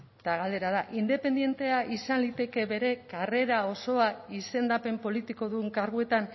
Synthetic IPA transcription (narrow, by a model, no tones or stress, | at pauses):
t̪aɣald̪e̞ɾað̞aʔind̪e̞pe̞nd̪je̞nt̪e̞aʔisanlit̪e̞ke̞βe̞ɾe̞kare̞ɾao̞so̞aise̞nd̪ape̞mpo̞lit̪iko̞ðuŋkaɾɣue̞t̪an